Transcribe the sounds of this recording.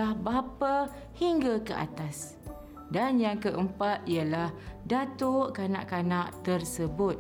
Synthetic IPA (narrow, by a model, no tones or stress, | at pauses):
ahbapa | hiŋɡakəʔa̰t̪as | danjaŋkəʔəmpat̪̚iəlahdat̪uʔkana̰ʔkanaʔt̪ərsəbʊt̪̚